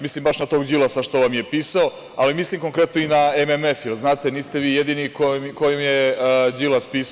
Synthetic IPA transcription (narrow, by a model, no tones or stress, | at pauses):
mislimbaʃnat̪o̞ːɡd͡ʒilˠasaʃt̪oʋamjepiːsao̞ | alimislimkoŋkɾe̞t̪noinaememe̞fjelznaːt̪e̞niːst̪e̞ʋiːjed̪iːnikomkojomjed͡ʒilaspiːs